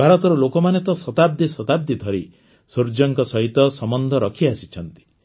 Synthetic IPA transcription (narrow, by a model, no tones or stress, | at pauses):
bʱaɾɔt̪ɔɾɔlokɔmanet̪ɔsɔt̪ab̚d̪isɔt̪ab̚d̪id̪ʱɔɾi | soɾd͡ʒɔŋkɔsɔɦit̪ɔsɔmɔnd̪ʱɔɾɔkʰiasit͡ʃʰɔnt̪i̥